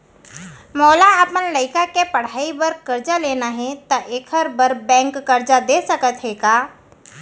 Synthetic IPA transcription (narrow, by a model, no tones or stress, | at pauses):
mɔːlaɐpənlɐɪkakepɐɽ̤aːibəɾkɐɾd͡ʒaleːnaɦɛ̃t̪aʔeːkʰəɾbəɾbɛ̃ːŋkːɐɾd͡ʒad̪eːsɐkət̪ɦɛːɡaː